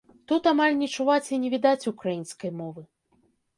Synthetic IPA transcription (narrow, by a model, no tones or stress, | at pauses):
t̪ut̪amalʲnʲɛt͡ʂuvat͡sʲinʲɛvʲid̪at͡sʲukɾajinskɐjmɔvɨ